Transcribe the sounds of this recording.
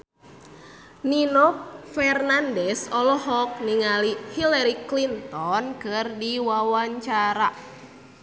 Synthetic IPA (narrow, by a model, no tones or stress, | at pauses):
ninɔk̚fɛrnandɛsɔlɔɦɔk̚niŋalihilaɾiklint̪ɔnkɨrdiwawaɲt͡ʃaɾa